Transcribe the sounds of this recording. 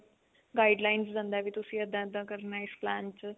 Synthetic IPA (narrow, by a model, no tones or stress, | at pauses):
ɡaːiɖlaːɪnszãːnd̪aːʋiːt̪ʊsĩːəd̪ãəd̪ːãːkəɾnaːɪsplɛ̃ːnt͡ʃ